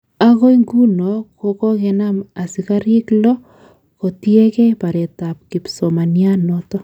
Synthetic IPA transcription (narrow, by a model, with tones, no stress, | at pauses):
a˦ɣo˦i˦ŋɡu˦no˨ko˨kɔ˦ɣe˨na˦ma˨si˨ɣa˦ɾi˦klɔ˦ | ko˨tie˦kɛ˦pa˨ɾe˨ta˨p̚ki˨pso˨ma˨nja˦no˨tɔ˦